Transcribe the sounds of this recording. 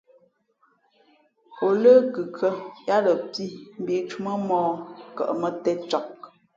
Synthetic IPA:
o˨lə˦kʉ˨kʰə˦ja˦ɾə˨pi˦m̩˨bi˨t͡ʃu˦mə˦mɔː˦kə̰˨ʔmə˨tɛ˦t͡ʃɔ˨k̚

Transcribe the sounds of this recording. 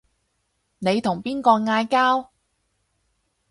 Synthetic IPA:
ne˨˧jt̪ʰʊ˨˩ŋpiː˥nkɔː˧ŋaː˧jkaː˥w

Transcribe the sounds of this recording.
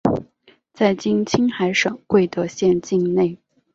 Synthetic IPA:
t͡sa˥˩ɪt͡ɕi˥ŋt͡ɕʰi˥ŋxa˧˥ɪʂɤ˨˩˦ŋkwe˥˩ɪt̪ɤ˧˥ɕjɛ˥˧nt͡ɕi˥˧ŋne˥˩ɪ

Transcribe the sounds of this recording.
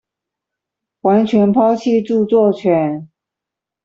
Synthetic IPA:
wa˧˥nt͡ɕʰɥɛ˧˥npʰɑ˥ʊt͡ɕʰi˥˧ʈ͡ʂu˥˧t͡swɔ˥˩t͡ɕʰɥɛ˨˧˥n

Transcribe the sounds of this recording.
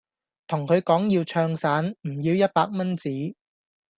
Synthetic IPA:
t̪ʰʊ˨˩ŋkʰɵ˨˧ɥkɔː˨˥ŋjiː˧wt͡ʃʰœː˧ŋsaː˨˥nm̩˨˩jiː˧wjɐ˥t̚paː˧k̚mɐ˥nt͡siː˨˥

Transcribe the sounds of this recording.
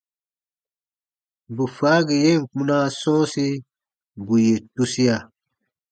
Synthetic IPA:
bu˨fa˨˦ɡi˨je˦˨ŋ̩˨k͡pũ˦na˦sɔ̃ː˦si˦ | bu˨je˨tu˦si˦a˨

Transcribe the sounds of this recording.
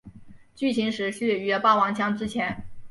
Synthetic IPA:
t͡ɕy˥˩t͡ɕʰi˧˥ŋʂɻ̩˧˥ɕy˥˩y˧˥˧pɑ˥˩ʊwɑ˧˥ŋɕʰjɑ˥ŋʈ͡ʂɻ̩˥t͡ɕʰjɛ˧˥n

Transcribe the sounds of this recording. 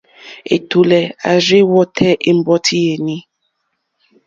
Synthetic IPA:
ḛ˨to˨lɛ˨a̰˨ɾi˦wɔ˦tʰɛ˦ʔe˦m̩˦bɔ˦tʰi˦je˨nĩ˦

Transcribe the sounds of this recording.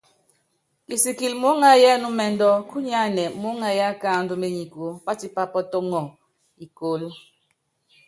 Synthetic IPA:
ki˨si˨ki˨lmo˦ŋa˦jɛ˦nu˦mɛ˨ndɔ˦ku˦ɲa˦nɛ˨mo˨˦ŋa˦ja˦ka˦˨n˨du˦me˨ɲi˨ko˨˦pa˦ti˦pa˦pɔ˦tɔ˦ŋɔ˨ | i˨ko˨˦l

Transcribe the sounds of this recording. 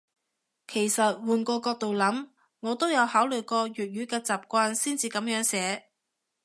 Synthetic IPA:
kʰe˨˩jsɐ˨t̚wuː˨˩nkɔː˧kɔː˧k̚t̪o˨wlɐ˨˥m | ŋɔː˨˧t̪o˥wjɐ˨˧whaː˨˥wlɵ˨jkɔː˧ɥyː˨t̚ɥyː˨˥kɛː˧t͡saː˨˩p̚kʷaː˧nsiː˥nt͡siː˧kɐ˨˥mjœː˨˥ŋsɛː˨˥

